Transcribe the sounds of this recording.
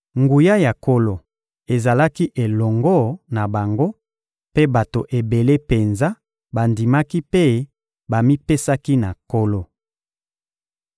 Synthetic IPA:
ŋɡu˨ja˦ja˨ko˦lo˨ | e˨za˨la˦ki˦ʔe˨lɔ˨ŋɡɔ˦na˨ba˨ŋɡo˦ | pe˦ba˨to˨ʔe˨be˨le˦pe˨nza˦ | ba˨ndi˨ma˦ki˦pe˦ | ba˨mi˦pe˦sa˦ki˦na˨ko˦lo˦

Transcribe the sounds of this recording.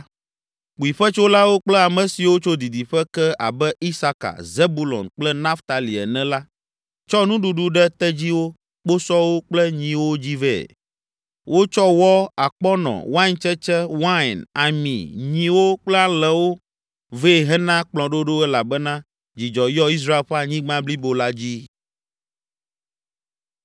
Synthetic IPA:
k͡pu˨i˨ɸɛ˦t͡ʃo˦la˦wo˦k͡plɛ˦a˨mɛ̃˨si˨wo˦t͡ʃo˦d̪i˨d̪i˨ɸɛ˦kɛ˦a̰˨bɛ˦i˦sa˦ka̰˨ze˦bu˦lɔ̰̃˨nk͡plɛ˦nã˦ft̪a˨li˨ɛ̰˨nɛ̃˦la˦ | t͡ʃɔ˦nũ˦ɖu˦ɖu˦ɖɛ˦t̪ɛ˦d͡ʑi˦wo˦ | k͡po˦sɔ˦wo˦k͡plɛ˦ɲĩ˨wo˦d͡ʑi˦vɛ̰˦˨ | wʔo˦t͡ʃɔ˦wɔ˦a˨k͡pɔ˦nɔ̰̃˨wã˦nt͡ʃɛ˦t͡ʃɛ˦wã˦˨na˨mḭ̃˨ɲĩ˨wo˦k͡plɛ˦a˦lɛ˨wo˦ | ve˦˨ɦɛ˦nã˦k͡plɔ̃˨ɖo˦ɖo˦ɛ˦la˨bɛ˦nã˦ | d͡ʑi˨d͡ʒɔ˨jɔ˦i˦s̬ɾa˦e˨lɸe˦a˦ɲĩ˦ɡ͡bã˦bli˦bo˨la˦d͡ʑi˦

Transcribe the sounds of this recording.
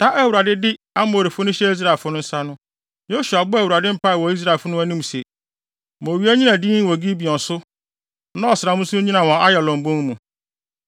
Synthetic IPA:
tʰa˦ʔæ˦˨wu˨ɾa˨dɪ˦dɪ˦ | a˦mo˨o˨ɾi˨fʊ˦nʊ̃˦ɕɛ˦i˦s̬ɾa˨lfʊ˦nʊ̃˦n̩˦sa˦nʊ̃˦ | jo˦su˨a˨bʊ˦æ˨wu˨ɾa˨dɪ˦m̩˦pʰa˦˨wɔ˨i˦s̬ɾa˦˨e˨fʊ˦nʊ̃˦æ˦nĩ˦m˨sɛ˨ | mo˨ɥi˦æ˦ɲĩ˦nã˨dĩ˦wɔ˨ɡi˦bi˨ɔ̃˨n˨sʊ˦ | nã˦ɔ˨sɪɾa˨mũ˦su˦ʊ̃˦ɲĩ˦nã˨wɔ̃˨a˦jɛ˨lɔ̃˨m̩˨bõ˦ŋ˦mũ˨

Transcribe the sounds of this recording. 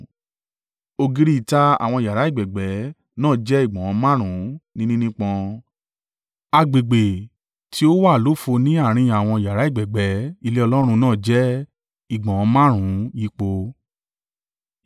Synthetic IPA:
o˧ɡi˧ɾi˦˨ta˧a̰˨w̃ɔ̃˧i˨ja˨ɾa˨˦i˦˨ɡ͡bɛ˨ɡ͡bɛ˨˦ | nãː˦˨d͡ʒɛ˦i˦˨ɡ͡bɔ̃˨ɔ̃˨˧˦mã˦ɾ̃ũ˨˦nĩ˦nĩ˦nĩ˦k͡pɔ̃˧ | a˧ɡ͡be˨ɡ͡be˨ | tʰi˦o˦wa˦˨lo˨˦fo˧nĩ˦a˦˨ɾ̃ĩ˧a˨w̃ɔ̃˧˨ja˨ɾa˨˦i˦˨ɡ͡bɛ˨ɡ͡bɛ˨˦i˧le˦ɔ˧lɔ˦ɾ̃ũ˧nãː˦˨d͡ʒɛ˦ | i˦˨ɡ͡bɔ̃˨ɔ̃˨˧˦mã˦ɾ̃ũ˨˦ji˦k͡po˧

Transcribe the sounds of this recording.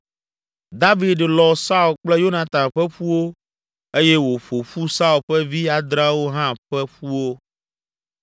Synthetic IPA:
d̪a˦vi˨d̪lɔ˨sa˦u˨lk͡plɛ˦jo˦nã˨t̪ã˨mɸɛ˦ɸu˦wo˦ | e˦jɛ˦wo˨ɸo˨ɸu˦sa˦u˨lɸɛ˦vi˦a˨d̪ɾa˦wo˦ɦã˦ɸɛ˦ɸu˦wo˦

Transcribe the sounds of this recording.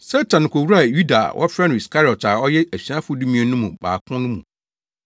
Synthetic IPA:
sɛ˦tʰã˨n˨kʰo˨wɾu˦a˨ju˦da̰˨wʔɔ̰˦fɾɛ̃˦ni˨skʰa˦ɾɔ˨ta˨ɔ˦jɛ˦ʔæ˨ɕᶣi˨ã˦fʊ˦du˦mĩ˦ɛ˨nʊ̃˦mũ˨ba̰ː˨kʰʊ̃˦nʊ̃˦mṵ̃˨

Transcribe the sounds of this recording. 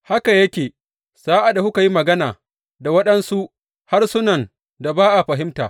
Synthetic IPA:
ha˦ka˨jɐ˦kʲeː˨ | z̥aː˦ʔa˨da˨hʊ˦ka˨ji˦mɐ˨ɡɐ˦naː˨ | da˨wɐ˦ɗɐ˦nsu˦ʔ | ha˦rsʊ˦nɐ˨n | da˨baː˦ʔa˨ɸɐ˨ɦɪ˦mtaː˨

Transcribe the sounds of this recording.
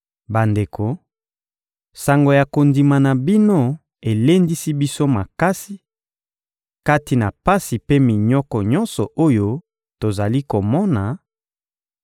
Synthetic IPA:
ba˨nde˨kʰo˨ | sa˨ŋɡo˨ja˨ko˨ndi˨ma˨na˨bi˦no˦ | e˨le˦ndi˦si˦bi˦so˦ma˨ka˦si˦ | ka˦ti˨na˨pa˦si˨pe˦mi˨ɲɔ˦kɔ˨ɲɔ˦nsɔ˨ʔo˦jo˦ | to˨za˨li˦ko˨mɔ˦na˨

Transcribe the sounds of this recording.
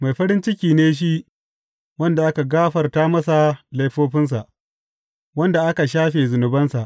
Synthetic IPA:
ma˨jɸɐ˦ɾɪ˦nt͡ʃɪ˦kʲiː˨neː˦ʃ̬i˦ | wɐ˦nda˨ʔa˦ka˨ɡaː˦ɸɐ˨rtaː˦mɐ˦sa˨la˦jɸoː˦ɸɪ˦ns̬a˨ʔ | wɐ˦nda˨ʔa˦ka˨ʃaː˦ɸeː˨zʊ˨nʊ˨bɐ˦nsa˨ʔ

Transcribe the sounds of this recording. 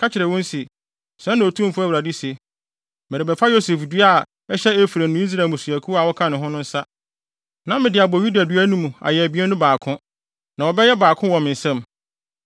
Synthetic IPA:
kʰa˦t͡ɕʰɪ˨ɾɛ˨wɔ̃˦n˦si˨ | sɛ̃˦nːã˨o˨tʰũ˦m̩˦fʊ˦æ˦˨wɾa˨di˦si˨e˨ | mɪ˨ɾɪ˨bɛ˨fa˦jo˦se˨fdɥa˦˨ | ɛ˦ɕɛ˦e˦fɾæ˨nʊ̃˦i˦s̬ɾa˨mʊ˨su˨æ˨kʰu˦a˨wɔ˦kʰã˦nʊ̃˨ɦʊ̃˦nʊ̃˦n̩˦sa˦ | nã˦mɪ̃˨dɪ˨a˨bɔ˨ju˦da˨dɥæ˦nũ˦mũ˨a̰˨jɛ˨æ˨bi˦ɛ˦nʊ̃˦baː˨kʰʊ̃˦ | nã˨wɔ˨bɛ˦jɛ˦baː˨kʰʊ̃˦wɔ̃˨mɪ̃˨n̩˨sɛ̃˦m

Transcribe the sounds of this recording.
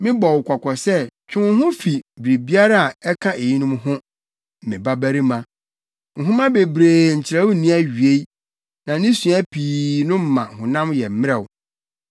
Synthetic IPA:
mɪ̃˦bɔ˨wkʷʰɔ˨kʷʰɔ˨sɛ˦t͡ɕʰᶣɪ̃˦mʊ̃˦ɦʊ̃˦fi˨bɾi˨bi˦a˦ɾa˦a˨ɛ˦kʰã˦e˨ji˦nʊ̃˦mɦʊ̃˦ | m̩˨mɪ̃˨ba˦bæ˦ɾi˦mã˨ | ŋ̩˨ɦʊ̃˦mã˦be˨bɾeː˨ɲ̩˨t͡ɕʰɪ˨ɾa˦wʊ˦nĩ˦æ˦ɥi˨e˦ | nã˨nɪ̃˦sũ˨æ˦pʰiː˨nʊ̃˦m̩˦˨mã˨hʊ̃˨nã˦mjɛ˨m̩˦mɪ̃˦ɾɛ˨wʊ˨

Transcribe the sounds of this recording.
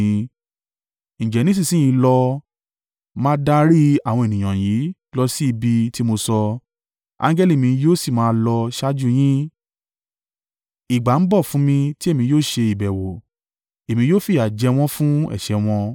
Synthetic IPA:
n̩ĩ˨d͡ʒɛ˨nĩ˦s̬ĩ˦˨sĩ˦j̃ĩ˧lɔ˧ | mãː˦da˧ɾi˦a˦˨w̃ɔ̃˧e˨nĩ˨j̃ã˨ji˨˦ | lɔ˧si˦i˧bi˧ti˦mo˧sɔ˧ | ã̰˧ŋɡɛ˦li˦˨mĩ˧joː˦si˦˨mãː˨˦lɔ˧ʃa˦d͡ʒu˦j̃ĩ˦ | i˨ɡ͡ba˨˦n̩˦bɔ˦˨fũ˨˦mĩ˧ti˦e˦˨mĩ˧joː˦˨ʃe˧i˨bɛ˨wo˨ | e˨mĩ˧joː˦fi˦˨a˨d͡ʒɛ˧w̃ɔ̃˦fũ˦ɛ̰˦˨ʃɛ˧w̃ɔ̃˧

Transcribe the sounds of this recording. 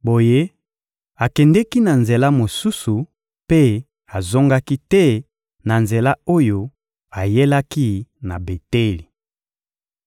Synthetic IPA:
bo˨je˦ | a˨kɛ˨ndɛ˦ki˦na˨nze˨la˦mo˨su˦su˨ | pe˦ | a˨zo˦ŋɡa˦ki˦tɛ˦ | na˨nze˨la˦o˦jo˨ | a˨je˦la˦ki˦na˨be˨te˦li˨

